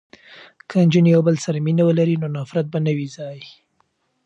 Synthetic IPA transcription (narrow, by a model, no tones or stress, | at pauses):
kʰənd͡ʒɪnjawbəlsaɾaminawəlaɾinonɑfɾat̪̚banəwizɑj